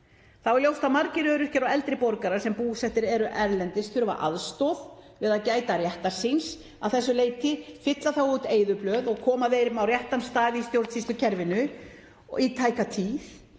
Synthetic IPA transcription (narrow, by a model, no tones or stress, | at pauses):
θawɾlowst̪amaɾcɪɾœːɾʏ̥cɛɾawɛlt̪ɾɪpɔɾkaɾḁsɛmpuːsɛht̪ɪɾɛɾʏʔɛɾlɛnt̪ɪsθʏɾʏva̰ɾʔa̰ðst̪ɔwðvɪðaðcaːjt̪aɾjɛht̪aɾ̥sins | awθɛsːʏleːjt̪ɪfɪt̪laθawuːt̪eːjðʏplœːðɔɣkʰɔːmaveːjɾɪmawrjɛht̪anst̪aːðɪist̪jowɾt̪sist̪ʏcʰɛɾvɪnʏ | ɔ̰it̪ʰaːjkat̪ʰiːθ